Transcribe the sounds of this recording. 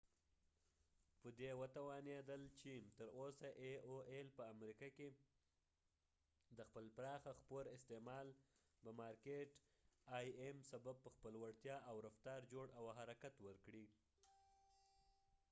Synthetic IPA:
pəd̪ewət̪awɑned̪əlt͡ʃemt̪əɾosaʔeoʔelpəamɾikɑke | d̪əxpəlpɾɑxaxpoɾɪst̪emɑl | bəmɑɾkeʈ | ɑjemsabab̚pəxpəlwaɽt̪jɑʔawɾaft̪ɑɾd͡ʒoɽawɦaɾakat̪wəɾkɽi

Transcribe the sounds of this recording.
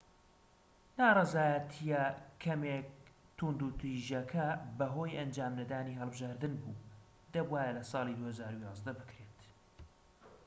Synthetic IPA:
naːrˤɑzaːjət̪ʰijɛkʰːɐmek̚ | t̪ʰund̪ut̪iʒjɐkʰɐbɐɦo̞ːjʔɐnd͡ʒaːmnɐd̪aːniːɦɐlˠbɨʒaːɾd̪ɨnbuː | d̪ɐbwaːjɐlɐsɑːlid̪uːhɐzaːɾujɑːzd̪ɐbɨkɾet̪

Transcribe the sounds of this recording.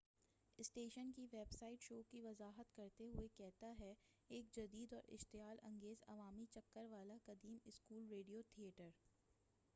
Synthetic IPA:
ɪsʈeːʃənkiʋeːbsaːɪʈʃoːkiʋɐzaːɦət̪kɐɾt̪eɦʊekɛɦt̪aɦɛ | eːk̚d͡ʒɐd̪iːd̪ɔːɾʔɪ̰ʃt̪ɪjaːlɐ̰̃ŋɡeːzɐ̰ʋaːmit͡ʃɐkːəɾʋaːlakɐd̪iːmɪskuːlɾeːɖijot̪ʰieːʈəɾ

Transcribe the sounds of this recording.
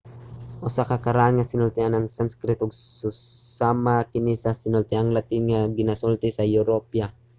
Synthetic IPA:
ʔʊsakakaɾaʔanŋasɪnʊlt̪ɪanaŋsanskɾɪt̪ʊɡsʊsamakɪnisasɪnʊlt̪ɪʔaŋlat̪ɪŋŋaɡɪnasult̪ɪsajuɾopja

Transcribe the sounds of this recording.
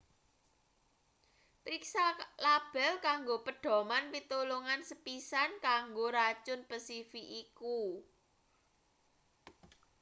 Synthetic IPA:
pɾiksalab̥ɛ̤lkaŋɡopəɖ̥ɔ̤manpit̪oloŋansəpisankaŋɡoɾat͡ʃʊnpəsifiʔiku

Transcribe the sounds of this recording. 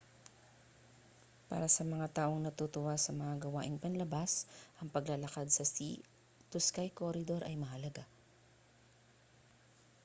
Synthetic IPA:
pa̰ːɾɐsɐmɐŋat̪aːʔo̞ŋnɐt̪ut̪ʊwasɐmɐŋaɡɐwa̰ːʔɪŋpɐnlɐbasʔɐŋpɐɡlalɐkad̪̚sɐsḭ | t̪ʊskajkoɾɪd̪o̞ɾʔɐjmɐɦɐlɐɡa

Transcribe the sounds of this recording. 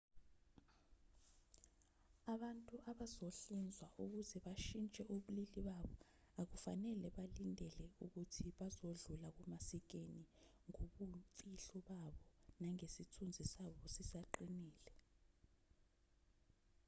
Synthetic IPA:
aɓantʼuʔaɓazoɬind͡zʱwaʔuk̬uzɛɓaʃint͡ʃʼɛʔoɓuliliɓaɓɔ | ak̬ufanɛlɛɓalindʱɛlɛuk̬utʰiɓazoɮulak̬umasik̬eni | ŋoɓuɱfʼiɬɔɓaɓɔnaŋesitʰund͡zʱisaɓɔsisaǃiniːlɛ

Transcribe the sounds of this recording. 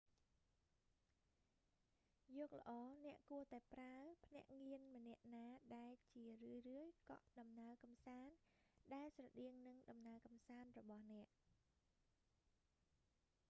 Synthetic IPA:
jɔːk̚lə̆ʔɑːnɛ̆əʔkuət̪aɛpraəpʰnɛ̆əʔŋiənmənɛ̆əʔnaːɗaɛlt͡ɕiərɨəjrɨəjkɑ̰ʔɗɑmnaəkɑmsaːnɗaɛlsrɑɗiəŋnɨŋɗɑmnaəkɑmsaːnrɔɓɑhnɛ̆əʔ

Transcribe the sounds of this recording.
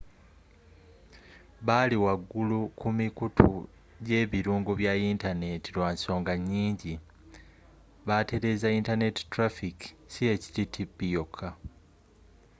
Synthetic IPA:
βaliwaɡːulukumikutʰṵ | ɟe̞ːβiɾuːŋɡoβjaintane̞tilwaːnso̞ːŋɡaɲːiːɲɟi | βate̞ɾe̞ːzaintane̞ti̥tɾafiki̥sije̞ci̥titʰipːijo̞kʰːa

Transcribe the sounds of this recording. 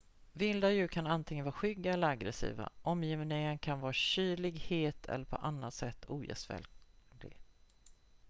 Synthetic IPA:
vɪnd̪ajʉ̟ːkʰanant̪ʰɪŋənvɑːɾɧʏɡːaɛlːəɾaɡɾɛsḭːva̰ʔɔmjɪvnɪŋənkʰanvɑːɾaɕyːɭɪɡheːt̪ʰɛ̰lːəɾpʰɔ̰ʔanːat̪sɛt̪ʰːuːjɛ̰svɛ̰ld̪ɪ̰ɡ

